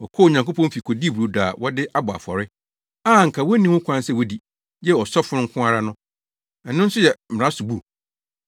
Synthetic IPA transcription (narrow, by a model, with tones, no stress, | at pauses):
wɔ˨kʰɔ˦˨ɲã˨ŋko˦pʰɔ̃˦m˦fi˨kʰo˨di˦˨bu˨ɾu˨daː˨wɔ˦dɪ˦ʔa˦bʊ˨a̰˨fɔ̰˨ɾɪ˦ | a˦ŋ̩˨kʰa˨wɔ˦nĩ˦wʊ̃˦kʷʰã˦n˦sɛ˦˨wɔ˦di˨ | jɛ˦ɔ˨sɔ˦fʊ˦ɾʊ̃˦ŋ̩˦kʰʊ̃˦a˨ɾa˦nʊ̃˦ | ɛ˨nʊ̃˦n̩˦sʊ˦jɛ˨m̩˨ã˦sʊ˨bu˦